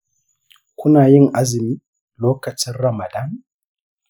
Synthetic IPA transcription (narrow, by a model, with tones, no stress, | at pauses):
kʷʊ˦naː˨jɪ˦ŋʔa˦zɪ˨miː˦ | loː˦kɐ˨t͡ʃɪ˦nɾɐ˨ma˨da˦m